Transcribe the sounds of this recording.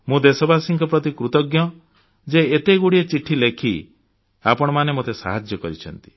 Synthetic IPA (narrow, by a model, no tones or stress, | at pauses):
mũd̪esɔbasiŋkʰɔpɾɔt̪ikɾut̪ɔɡjɔ | d͡ʒeet̪eɡuɽiet͡ʃiʈʰilekʰi | apɔɽ̃ɔmanemot̪esa̰ɦad͡ʒjɔkɔɾit͡ʃʰɔnt̪i̥